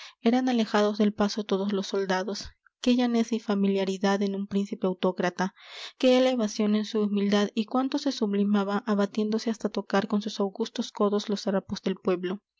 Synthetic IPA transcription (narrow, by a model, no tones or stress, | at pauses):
e̞ɾanale̞xaðo̞zðe̞lpaso̞t̪o̞ðoslo̞sːold̪aðo̞s | ke̞ʝanesifamiljaɾiðaðe̞numpɾinsipe̞awt̪o̞kɾat̪ake̞eleeβasjo̞ne̞nsuːmild̪aðikwant̪ose̞suβlimaβaʔaβat̪je̞nd̪o̞seast̪at̪o̞kaɾko̞nsusawɣust̪o̞sko̞ðo̞zlo̞saɾapozðe̞lpwe̞βlo̞